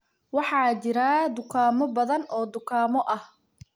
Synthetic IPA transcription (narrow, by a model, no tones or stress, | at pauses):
wɑħɑːt͡ʃɪɾaːd̪ʊkʰaːmɔbɐðɐnɔːd̪ʊkʰaːmɔʔɐh